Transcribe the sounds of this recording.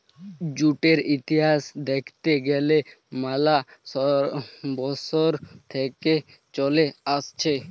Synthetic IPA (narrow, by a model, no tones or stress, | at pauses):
d͡ʑuʈeɾit̪iɦasd̪ekʰt̪eɡɛle | malaɔbɔsoɾt̪ʰeke | t͡ʃɔleast͡ɕʰe